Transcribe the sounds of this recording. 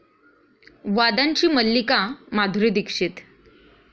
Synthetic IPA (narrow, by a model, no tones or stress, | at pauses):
ʋad̪aɲt͡ɕiːməlːikamad̪ʱɾid̪ikʂit̪